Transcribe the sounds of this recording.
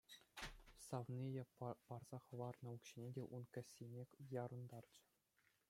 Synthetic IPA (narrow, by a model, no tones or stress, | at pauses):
sɑʋnʲijɑpɑrz̥ɑχɤ̆ʋɑrnɤ̆ukɕinʲedʲeʔunkʲɘ̆sʲːinʲekʲjɑɾɤ̆nd̪ɑrd͡ʑə̥̆